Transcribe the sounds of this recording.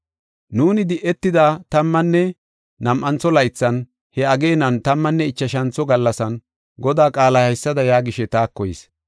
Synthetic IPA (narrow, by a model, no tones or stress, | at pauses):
nuːnɪd̪ɪʔɛt̪ːɪd̪aːt̪ɐmːɐnːɛ | nɐmʔɐnt͡sːɔlɐjt͡sːɐn | hɛɐɡe̞ːnɐnt̪ɐmːɐnːɛɪt͡ʃːɐʃ̬ɐnt͡sːɔɡɐlːɐsɐn | ɡɔd̪aːkʼaːlahɐjsːɐd̪ɐjaːɡɪʃɛt̪aːkːɔjɪ̰s